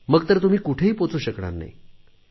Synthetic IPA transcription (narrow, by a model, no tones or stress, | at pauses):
məɡt̪əɾt̪um̤iːkuʈʰeɦiːpot͡suːɕəkɽa̰ɾna̰ḭ